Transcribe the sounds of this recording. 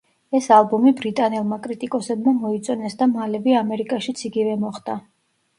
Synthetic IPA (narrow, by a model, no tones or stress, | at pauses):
ɛsalˠbɔmibɾit̪ʼanɛlˠmakʼɾit̪ʼikʼɔsɛb̚mamɔit̪sʼɔnɛsd̪amalɛbiamɛɾikʼaʃit̪sʰiɡivɛmɔχd̪a